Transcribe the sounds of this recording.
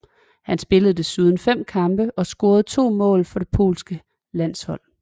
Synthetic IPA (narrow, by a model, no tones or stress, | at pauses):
hænsb̥e̝ləð̞̩ˠd̥esyːð̞ˠn̩fem̰kʰɑ̈mb̥əʔɒ̽sɡ̥o̝ːɐð̞̩ˠt͡sʰo̝̰ːmɔ̰̽ːlfɒ̽ɾ̥e̝pʰo̝̰ːlsɡ̥ə | læn̰shɒ̽l̰